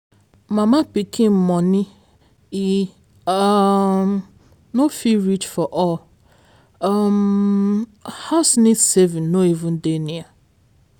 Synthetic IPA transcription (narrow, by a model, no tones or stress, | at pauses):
mamapikʰĩmɔni | i | nofiɾit͡ʃfɔʔɔl | m | haʊsnisevĩnnoivũn̩denia